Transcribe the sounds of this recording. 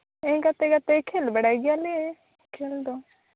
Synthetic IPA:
ẽɡat̪eɡat̪ekʰeːlbɐɽaːiɡɪjalee | kʰeːld̪o

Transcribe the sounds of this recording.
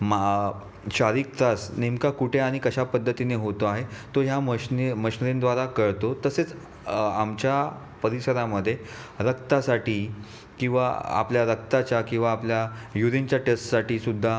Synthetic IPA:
ma | ɕaɾiːk̚t̪asnemkakuʈʰeaɽ̃ikəɕapəd̪ʱːət̪ineɦot̪oaɦet̪oɦjaməɕnməɕnɾẽnd̪ʋaɾakəɭt̪ot̪əset͡s | amt͡ɕja | pəɾisəɾaməd̪ʱːje | ɾəkt̪asaʈiː | kĩw̃ʋa̰a̰pljaɾək̚t̪at͡ɕjakĩw̃ʋaːpljajuɾint͡ɕjaʈesʈsaʈiːsud̪ʱːa

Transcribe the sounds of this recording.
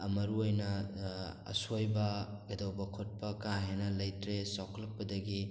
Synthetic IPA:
ɐmɐɾuojnɐ | ɐ̰sojbɐɡɐdowbɐkʰot̚pɐkaɦenɐlɐjtɾesawkʰlɐk̚pɐdɐɡi

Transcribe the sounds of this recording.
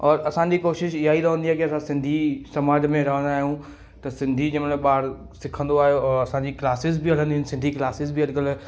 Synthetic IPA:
ɔːɾɐsãɲd͡ʑikoːʃɪʃɪɦaːiɾɐɦə̃nd̪iaːkiɐsãsɪ̃nd̪ʱisɐmaːd͡ʑmẽɾɐɦə̃nd̪aːɦijũ | t̪ɐsɪ̃nd̪ʱid͡ʑɐmnẽɓaːɽ | sɪkʰə̃nd̪oaːɦejoɔɾɐsãːɲd͡ʑiklaːsɪzbɪɦɐɽ̤ə̃nd̪iɦɪnɪsɪ̃nd̪ʱiklaːsɪzbɪɐɗkəlː

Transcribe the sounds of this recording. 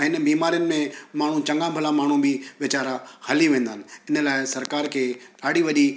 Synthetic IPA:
ɪnbiːmaːɾijənɪ̆mẽmaːɳ̤ũt͡ɕɐ̃ŋɡãbʱəlamaːɳ̤ũbʱɪʋɪt͡ɕaːɾahɐliʋẽːn̆d̪aːnɪ̆ɪnə̆laːɪsɐɾkaːɾkʰeːɗaːɽiʋɐɗi

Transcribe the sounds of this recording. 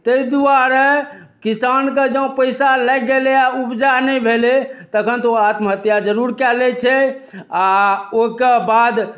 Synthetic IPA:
t̪əid̪uaɾe | kisanked͡ʒə̃pəɪsalɛɡɡeleaupd͡ʒanɛjbʱelet̪əkʰənt̪oat̪məɦət̪jad͡ʒəɾuɾkɛlɛt͡ʃʰɛaokebad̪

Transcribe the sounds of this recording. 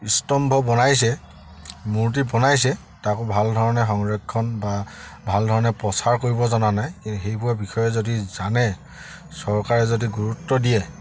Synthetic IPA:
istɔmbʱɔbɔnajs̬ɛ | muɹt̬ibɔnajsɛ | takʊbʱaldʱɔɹɔnɛxɔŋɹekʰːɔnbabʱaldʱɔɹɔnɛpɹɔsaɹkoɹibɔzɔnanajkintuxejpʊwabixʰɔjɛzodizanɛ | sɔɹkaɹɛzodiɡuɹutːɔdijɛ

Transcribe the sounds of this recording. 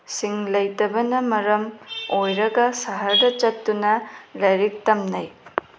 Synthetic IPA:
siŋlɐjtɐbɐnɐmɐɾɐmojɾɐɡɐsɐɦɐɾdɐt͡ʃɐtːunɐlɐjɾik̚tɐmnɐj

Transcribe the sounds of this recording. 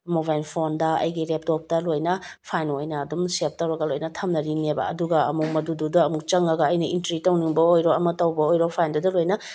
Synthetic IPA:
moβajlpʰondɐɐ̰jɡiɾep̚top̚tɐlojnɐpʰajnojnɐːdumsep̚tɐwɾɐɡɐlojnɐtʰɐmnɐɾinebɐ̰ɐ̰duɡɐɐmuk̚mɐdududuɐmuk̚t͡ʃɐŋɐɡɐːjnɐintɾitɐwniŋbɐojɾoɐmɐtɐwbɐojɾopʰajndɐdɐlojnɐ

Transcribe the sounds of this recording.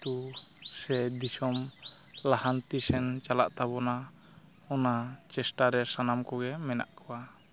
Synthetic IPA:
t̪usɛd̪isɔm | lahant̪isɛnt͡ʃalaʔt̪abɔna | ɔnat͡ʃɛsʈaɾɛsanamkɔɡɛmɛna̰ʔkɔwa

